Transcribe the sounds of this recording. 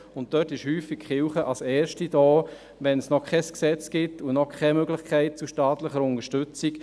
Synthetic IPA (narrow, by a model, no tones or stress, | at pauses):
ʊnt̚tœtɪʃhyːfːikχɪlχəʔɑsɛːɾʃtid̥ɔː | ʋɛnsnɔkʰχɛsksɛt͡skɪtunɔkʰɛmøɡlɪχkʰɛɪt̚t͡suʃtɑːt̪ləχəɾʊnəʃtʏt͡sik